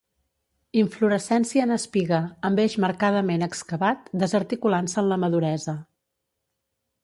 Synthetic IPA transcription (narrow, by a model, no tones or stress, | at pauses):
iɱfluɾəsɛnsiəːnəspiɣəəmbeʒməɾkað̞əmenəkskəβat̪̚d̪əzəɾt̪ikulansəːnləməðuɾɛzə